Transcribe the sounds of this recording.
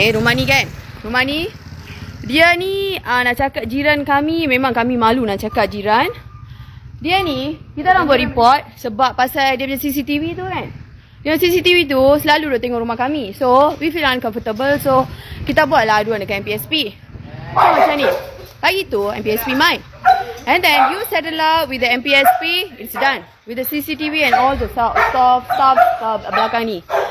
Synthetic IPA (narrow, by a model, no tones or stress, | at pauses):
keɾumahnikan | ɾumahni | diəniənaʔt͡ʃakat̪̚d͡ʒiɾankamimẽmãŋkamimalunaʔt͡ʃakat̪̚d͡ʒiɾan | diənikit̪adaŋbuaʔ̚ɾipɔt̪̚səbap̚ːasajdiəbəd͡ʒasisit̪ivit̪̬ukan | dəŋasisit̪ivit̪̬usəlaludɔt̪eŋɔʔɾumahkamisowifilãnkɔ̃ɱfət̪əbəlsokit̪abuaʔ̚laduãndəkãnɛ̃mpiɛspi | soasanibaɡit̪uɛ̰̃mpiɛspimãjt̚ | ɛ̃ndɛ̃njusɛtəlatwidəɛ̃mpiɛspiitsdãn | widəsisitiviɛ̃nɔldəsastɔfstafbəlakãŋni